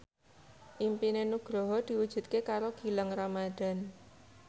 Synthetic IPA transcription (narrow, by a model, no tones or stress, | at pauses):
ʔimpinenuɡ̥ɾɔɦɔd̪̥i̤wud̥ʒ̥ṳt̪̚kekaɾoɡ̥i̤laŋramad̪̥a̤n